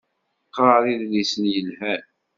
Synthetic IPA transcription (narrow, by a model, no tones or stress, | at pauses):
qːɾˤɑɾiðlisənjəlhæn